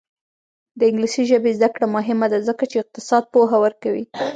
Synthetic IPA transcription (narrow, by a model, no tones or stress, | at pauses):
d̪əɪŋɡlisiʒəbezd̪akɽamʊɦɪmad̪azəkat͡ʃeɪq̚t̪ɪsɑd̪̚poɦawəɾkawḭ